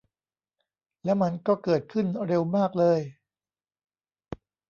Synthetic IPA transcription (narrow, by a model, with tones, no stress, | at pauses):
lɛ˦˥wma˧nkɔː˥˩kɤː˨˩t̪̚kʰɯ˥˩nɾe˧wmaː˥˩k̚lɤː˧j